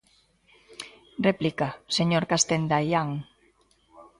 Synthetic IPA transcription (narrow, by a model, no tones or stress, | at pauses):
replikaseɲoɾkast̪end̪ajaŋ